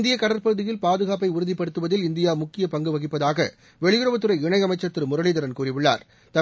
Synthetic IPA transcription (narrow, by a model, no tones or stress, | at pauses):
nd̪ɪjɐkɐɽɐɾpɐɣɯðɪjɪlpaːðɯɣaːp̬ɐɪʊɾɯðɪpːɐɽɯt̪ːɯʋɐðɪlɪnd̪ɪjaːmʊkːɪjɐpɐŋɡɯʋɐɣɪpːɐðaːɣɐ̰ | ʋɛɭɪjɯɾɯʋɐt̪ːɯɾɐɪɪɳɐɪɐmɐɪt͡ʃːɐt̪ːɪɾmʊɾɐɭɪðɐɾɐnkuːrɪʋɪɭːa̰ːɾ | t̪ɐ